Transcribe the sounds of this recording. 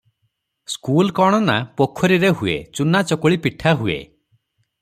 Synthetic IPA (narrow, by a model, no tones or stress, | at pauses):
skulkɔɽ̃ɔnapokʰːɔɾiɾeɦuḛt͡ʃunat͡ʃɔkɔɭipiʈʰaɦuḛ